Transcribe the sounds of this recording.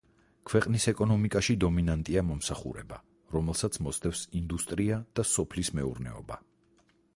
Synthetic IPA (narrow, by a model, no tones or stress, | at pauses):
kʰwɛqʼnisɛkʼɔnɔmikʼaʃid̪ɔminant̪ʼiamɔmsaχṵɾɛ̰ba | ɾɔmɛlˠsat̪sʰmɔst̪ʰʼɛfsind̪ust̪ʼɾiad̪̥asɔpʰlismɛṵɾnɛ̰ɔ̰ba